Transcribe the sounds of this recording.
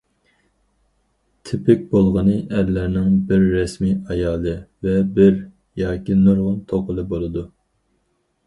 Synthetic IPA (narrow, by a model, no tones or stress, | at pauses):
t̪ʰɪpʰɪk̚ʲbolˠʁənɨʔɛɾlæɾnɪŋbɪɾːɛsmiɑjɑːlˠɨvɛbɪɾ | jɑːkʲinoɾʁʊnt̪ʰoqʰəlˠɨbolˠɨd̪u